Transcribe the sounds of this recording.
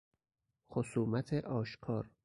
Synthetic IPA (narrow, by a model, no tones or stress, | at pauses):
xosuːmæt̪ʰeʔɒːʃkʰɒːɾ